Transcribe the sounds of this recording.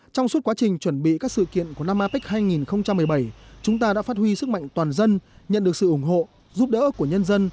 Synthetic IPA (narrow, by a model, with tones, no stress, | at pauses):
t͡ɕɔ˧wŋ͡mst̚kwaː˨˦t͡ɕï˨˩ŋ̟t͡ɕwə˧˩nɓḭ˧˨kaː˦˥k̚sɨ̰˧˨kḭ˧˨ənku˧˩əna˧mʔaː˧pi˦˥k̟̚haː˧jŋi˨˩nxə˧wŋ͡mt͡ɕa˧mːɨ˨˩əjɓə˧˩jt͡ɕʊ˨˦ŋ͡mt̪aː˧ɗa̰ː˧˥faː˦˥t̚hwi˧sɨ˦˥k̚ma̰˧˨ŋt̪waː˨˩nzə˧nɲə̰˧˨nɗɨ˨˩əksɨ̰˧˨ʔʊ˧˩ŋ͡mɦo̰˧˨ | zu˦˥p̚ɗə̰ː˧˥ku˧˩əɲə˧nzə˧n